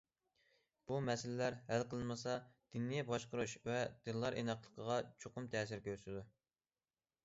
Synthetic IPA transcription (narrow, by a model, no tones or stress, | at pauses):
b̥umɛsɪlɪlæɾhælqʰəlˠɨnmɨsɑd̪̥inːijɛbɑʃqəɾuʃvɛd̪̥ɨlːˠɑɾʔḛnɑqlˠəqʰəʁɑt͡ʃʰoqʊmt̪ʰɛːsɪɾkʲʰøɾsɪd̪u